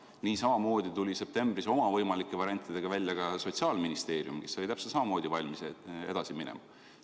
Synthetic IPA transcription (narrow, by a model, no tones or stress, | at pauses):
niːsɑmɑmo̞ːd̪̥ʲit̪ulʲise̞p̚t̪e̞mbriso̞mɑvɤjmɑlikːˑe̞vɑɾiɑnʲt̪ːˑid̪e̞ɡ̥ɑvælʲːjɑɡɑso̞t̪ʲsiɑːlminist̪e̞ːɾjumkesːɑit̪æpset̪sɑmɑmo̞ːd̪̥ʲivɑlʲmisee̞̰d̪ɑsiminḛmɑ